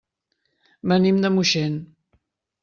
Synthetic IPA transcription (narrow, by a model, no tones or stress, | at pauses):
bənimd̪əmuʃɛn